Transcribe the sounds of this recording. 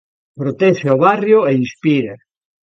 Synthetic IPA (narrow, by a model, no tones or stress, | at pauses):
pɾot̪ɛʃeoβarjoeinspiɾa